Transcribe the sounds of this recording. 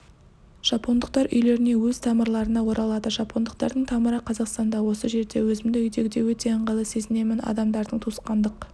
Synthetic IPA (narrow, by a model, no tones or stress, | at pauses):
ʒ̥ɑpʰo̞nd̪əq̚t̪ɑɾʔʏjle̞ɾɪne̞wɵz̥t̪ʰɑməɾlˠɑɾənɑwo̞ɾɑlˠɑd̪əʒɑpʰo̞nd̪əq̚t̪ɑɾd̪əɴt̪ʰɑməɾəqʰɑzɑqst̪ɑnd̪ɑwo̞səʒe̞ɾd̪e̞wɵzɪmd̪ɪʏjd̪e̞ɡʲɪd̪e̞wɵt̪e̞ɴʁəlˠəse̞zɪne̞mɪnɑ̰d̪ɑmd̪ɑɾd̪əɴt̪ʰusqɑnd̪əq